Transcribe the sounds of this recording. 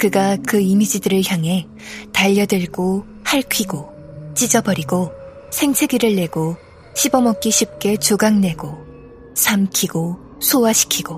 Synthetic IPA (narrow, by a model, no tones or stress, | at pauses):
kɯɡakɯimid͡ʑidɯɾɯɭçjaŋɦe̞ | taʎːʌdɯɭɡo | haɭkʰiɡo | t͡ɕ͈id͡ʑʌbʌɾiɡo | sʰe̞ŋsʰe̞ɡiɾɯɭːe̞ɡo | ɕʰibʌmʌk͈̚iɕʰip̚k͈e̞t͡ɕoɡaŋne̞ɡo | sʰamkʰiɡo | sʰowaɕʰi̥kʰiɡ̥o